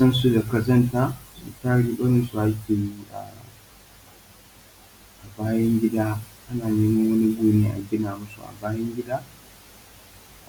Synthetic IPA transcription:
sɐ˦nsu˦da˨kɐ˦zɐ˦nta˦sṵ˨taː˦ɽiː˦ɓɐ˦nɪ˦su˨ʔa˨˦kʲeː˨ji˦ʔa̰˨ | ʔa˨baː˦jɐ˦ŋɡʲɪ˦daː˦ʔa˦naː˨ɡɐ˦ni˦wɐ˦ni˦ɡʷuː˦neː˦ʔa̰˨ɡʲɪ˦naː˨mʊ˦sṵ˨ʔa̰˨baː˦jɐ˦ŋɡʲɪ˦daː˦

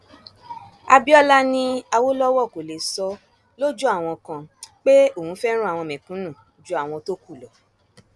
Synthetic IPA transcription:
a˧bi˦ɔ˦la˦nĩ˧a˧wo˦lɔ˦wɔ˦˨ko˨le˨sɔ˧ | lo˦d͡ʒu˦a˦˨w̃ɔ̃˧kã˧k͡pe˦o˦˨hũ˨˦fɛ˦ɾ̃ũ˦a˨w̃ɔ̃˧mɛ̃˨kũ˨˦nũ˦˨ | d͡ʒu˦a˦˨w̃ɔ̃˧to˦ku˦˨lɔ˨

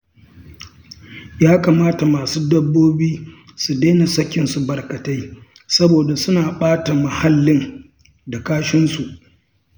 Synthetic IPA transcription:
jaː˦kaː˨maː˦ta˨maː˨suː˦dɐ˦bːoː˦biː˦ | su˨deː˦na˨sɐ˦kʲːɪ˦nsu˨bɐ˨rkɐ˨ta˦j | sɐ˦boː˨da˨sʊ˦naː˨ɓaː˦ta˨mɐ˨ha˦lːɪ˦n | da˨kaː˦ʃɪ˦nsu˨ʔ

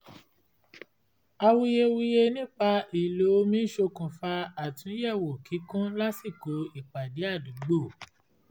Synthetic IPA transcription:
a˧wu˧je˧wi˧je˧nĩ˦k͡pa˧i˨lo˨˦o˧˦mĩ˦ʃo˧kũ˨fa˧a˨tũ˨˦jɛ˦˨wo˨ki˨˦kũ˦la˦si˦˨ko˨˧˦i˦˨k͡pa˨di˨˦a˦˨du˨˦ɡ͡bo˦˨

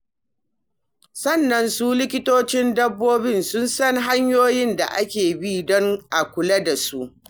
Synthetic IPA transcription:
sɐ˦˨nːɐ˨nsuː˦lɪ˦kʲɪ˦toː˦t͡ʃɪ˦ndɐ˦bːoː˦bɪ˦nsʊ˦nsɐ˦ŋɦa˦ɲjoː˦jɪ˦nda̰˨ʔa˦kʲeː˨bi˦dɔ˦ŋʔa˨kʷʊ˨lɐ˦da˨su˦ʔ

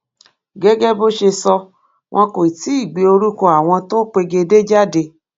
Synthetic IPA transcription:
ɡɛ˦ɡɛ˦bo˦ʃe˧sɔ˧ | w̃ʔɔ̃˧ko˨i˨ti˦i˦˨ɡ͡be˨o˧ɾu˦ko˧a˨w̃ɔ̃˧to˦k͡pe˧ɡe˧de˦d͡ʒa˦de˧

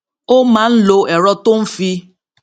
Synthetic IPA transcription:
o˦mã˨˦n̩˦lo˧ɛ˨ɾɔ˦to˦m̩˦fi˧

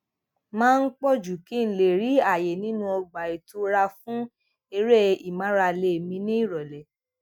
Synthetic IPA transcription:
mãː˦˧n̩˦k͡pɔ˦˨d͡ʒu˨ki˦˨n̩˨le˨ɾi˨˦a˦˨je˨nĩ˨˦nũ˧ɔ˧ɡ͡ba˨e˨to˧ɾa˧fũ˦ | e˧ɾe˦i˨mã˨˦ɾa˧le˧˨mĩ˧nĩ˦i˦˨ɾɔ˨lɛ˨

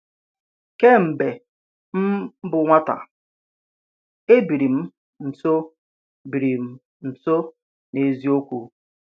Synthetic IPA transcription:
ke˦m̩˨be˨ | m̩˦bʊ˨ŋʷa˦ta̰˨ | e˦bi˨ɾi˨m̩˦ | n̩˨so˦ | bi˨ɾi˨m̩˨ | n̩˨so˦ | ne˨zi˦o˦kʷu˨

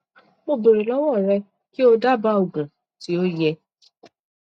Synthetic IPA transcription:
mo˧be˨ɾe˨lɔ˨˦wɔ˦˨ɾɛ˧ | ki˦o˧da˦ba˦o˨ɡũ˨ | ti˨˦o˦jɛ˧

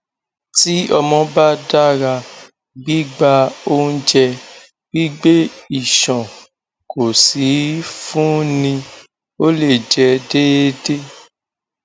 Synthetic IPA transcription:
ti˦ɔ˧mɔ̃˧ba˦da˦ɾa˧ | ɡ͡bi˦ɡ͡ba˧o˦ñ̩˦d͡ʒɛ˧ | ɡ̥i˦ɡ͡be˦i˦˨ʃɔ̃˨ | ko˨si˨˦fũ˦nĩ˧ | o˦le˦˨d͡ʒɛ˨de˦de˦

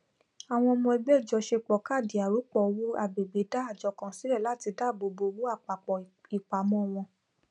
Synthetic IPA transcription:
a˨w̃ɔ̃˧ɔ˧mɔ̃˧ɛ˧ɡ͡bɛ˦˨d͡ʒɔ˧ʃe˧k͡pɔ˨ka˦˨di˨a˨ɾu˨˦k͡pɔ˨˧wo˦a˧˨be˨ɡ͡be˨˦da˦a˦˨d͡ʒɔ˧˦kã˧si˨˦ɾɛ˦˨la˦˨ti˧da˦˨bo˧bo˧wo˦a˦˨k͡pa˨k͡pɔ˨i˨k͡pa˨mɔ̃˦˧˨w̃ɔ̃˧

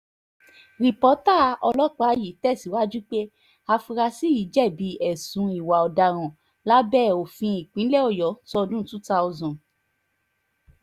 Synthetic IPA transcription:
ɾi˨pɔ˨˦ta˦˨˦ɔ˧lɔ˦k͡pa˦ji˨tɛ˦˨si˨˦wa˦d͡ʒu˦k͡pe˦ | a˧fi˧ɾa˧si˦ji˨˦d͡ʒɛ˦˨bi˨˦ɛ˨sũ˨˦i˨wa˨ɔ˨da˧˨ɾ̃ã˨ | la˦bɛ˦˨o˨fĩ˧i˨k͡pĩ˨˦lɛ˦˨ɔ˦˨jɔ˨˦tɔ˧dũ˦tũ˦ta˧ɔ˧zɔ̃˨

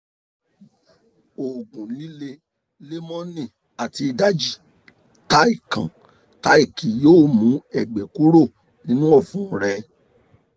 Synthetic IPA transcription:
o˨ɡũ˨lĩ˦le˧ | le˦mɔ̃˦nĩ˦˨ | a˨ti˧i˧da˦d͡ʒi˨ | ta˦i˦˨kã̰˨ | ta˦i˦˨ki˨joː˦˨mũ˨˦ɛ˨ɡ͡bɛ˨ku˦ɾo˦˨ | nĩ˨˦nũ˦ɔ˦˨fũ˦˨ɾɛ˧˦

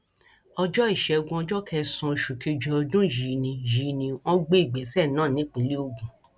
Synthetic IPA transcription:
ɔ˧d͡ʒɔ˦i˦˨ʃɛ˨˧ɡũ˧ɔ˧d͡ʒɔ˦kʰɛ˧sũ˧˨ʃu˨ke˧d͡ʒɔ˧dũ˦˨ji˨˦nĩ˧jiː˨˦nĩ˧ɔ̃˦ɡ͡be˦i˦˨ɡ͡bɛ˨˦sɛ˦˨nãː˦˨nĩ˨˦k͡pe˨le˦o˧ɡũ˨

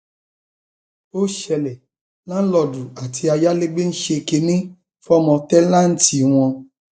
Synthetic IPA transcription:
o˦ʃɛ˧lɛ˨ | lã˦lɔ˧˨du˨a˨tʰi˧a˧ja˦le˦ɡ͡be˦n̩˦ʃe˧ke˧nĩ˦ | fɔ˦mɔ̃˧tɛ˦lã˦n̩˦ti˧˦w̃ɔ̃˧

